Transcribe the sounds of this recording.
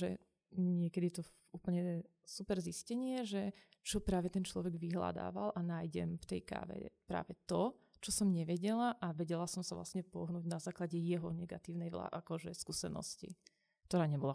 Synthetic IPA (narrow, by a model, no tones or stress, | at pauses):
ʒɛ̰ | ɲɪɛkɛd̪it̪ɔ | uːpl̩ɲɛ | supɛɾziscɛɲɪɛʒɛ | t͡ʃɔpɾaːʋɛt̪ɛnt͡ʃlɔʋɛɡʋiɦla̰d̪a̰ːʋa̰lʔanaːjɟɛ̰mft̪ɛjka̰ːʋɛ̰pɾa̰ːʋɛt̪ɔ | t͡ʃɔsɔmɲɛʋɛɟɛlaʔaʋɛɟɛlasɔmsaʋla̰sɲɛpɔɦnuːɟnazaːklaɟɛjɛɦɔnɛɡa̰t̪iːʊnɛjʋla̰ʔakɔʒɛskuːsɛnɔ̰scḭ | k̚t̪ɔɾaːɲɛbɔla